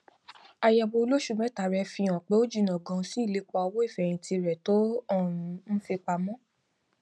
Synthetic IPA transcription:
a˧jɛ˨bo˧lo˦ʃu˧mɛ̃˦ta˨ɾɛ˧fĩ˧ɔ̃˨k͡pe˨˦o˦d͡ʒi˦˧˨nã˨ɡɔ̃˧si˦i˦˨le˨˦k͡pɔ˧wo˦i˦˨fɛ˨j̃ĩ˧ti˧ɾɛ˨to˦ɔ̃˦˨ɾũ˧ñ̩˦fi˧k͡pa˧mɔ̃˦

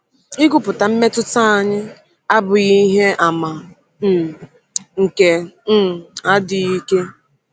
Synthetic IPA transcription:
ɪ˦ɡʊ˦pʊ˨ta˨m̩˦me˦tʊ˦ta˦a˨ɲɪ˦ | a˦bʊ˨ɣi˦i˦ɦe˦ʔa˨ma˨˦˨ | ŋ̩˨ke˨˦ | a˦dɪ˨i˦ke˦

